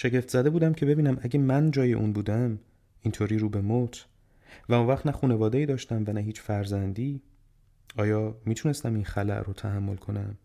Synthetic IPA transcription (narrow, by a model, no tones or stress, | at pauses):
ʃe̞ɟe̞ft̪zæd̪e̞buːd̪æmcʰe̞be̞biːnæmʔæɟemænd͡ʒɒːje̞̰ʔṵːnbuːd̪æm | int̪ʰoːɾiːɾuːbe̞mot̪ʰ | væonvæχt̪næχuːne̞vɒːd̪eiːd̪ɒːʃt̪æmvænæɦiːt͡ʃʰfæɾzænd̪iː | ɒːjɒːmiːt̪ʰune̞st̪æminxælæ̰ʔrot̪ʰæhæmːo̞lkʰo̞næm